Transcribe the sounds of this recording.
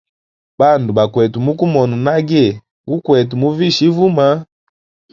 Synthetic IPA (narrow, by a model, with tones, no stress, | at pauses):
ba˦˨ndu˨ba˨kwɛ˨tu˨mu˦ku˦mɔ˨nu˨na˦ɡɛ˦˨ | ɡu˦kwɛ˨tu˨mu˦vi˦ʃi˦vu˦ma˦